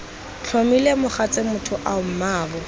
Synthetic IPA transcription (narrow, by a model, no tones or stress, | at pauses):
t͡ɬʰomilemʊχat͡sʼemʊtʰʊʔaʊm̩maːɣɔ